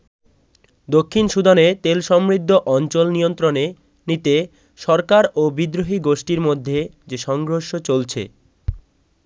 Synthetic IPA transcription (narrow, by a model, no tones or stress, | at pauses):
d̪okʰːinʃud̪anet̪elʃɔmɾid̪ʱːoʔɔnt͡ɕolnijont̪ɾone | nit̪e | ʃɔɾkaɾobid̪ɾoɦiɡoʃʈiɾmod̪ʱːe | d͡ʑeʃɔŋɡɾoʃot͡ɕolt͡ɕʰḛ